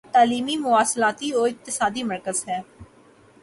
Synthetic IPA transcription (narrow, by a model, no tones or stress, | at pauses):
t̪aːliːmiːmʊaːslaːt̪iːoːɪk̚t̪ɪsaːd̪iːməɾkəzɦɛː